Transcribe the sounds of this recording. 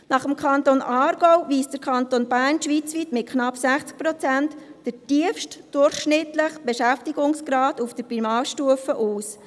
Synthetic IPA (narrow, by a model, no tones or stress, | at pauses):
nɑχəmkʰɑntonʔɑːɾɡ̥ɔwʋiːsd̥əɾkʰɑnt̪onbæːrnʃʋiːt͡sʋiːtmɪt̚kʰnɑpsæχt͡sk̚pɾot͡sæntːəɾtiəfʃtd̥ʊrχʃnɪtləχb̥eʃæftiɡʊŋsɡ̥ɾɑːdufd̥əɾbimɑːʃtuəfəʔuːs